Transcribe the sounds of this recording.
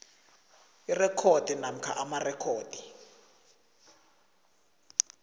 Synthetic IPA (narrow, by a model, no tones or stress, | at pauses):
irɛkʰod̥ʱinam̩kʰa̰ʔamarɛkʰoːd̥ʱi